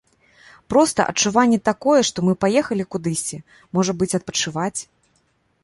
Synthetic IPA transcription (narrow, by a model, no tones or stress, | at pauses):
pɾɔst̪ɐ̰ʔɐ̰t͡ʂuvanʲːɛt̪akɔjɛʂt̪ɔmɨpajɛxɐlʲikud̪ɨsʲt͡sʲɛ | mɔʐɐbɨt͡sʲɐt̪̚pɐt͡ʂɨvat͡sʲ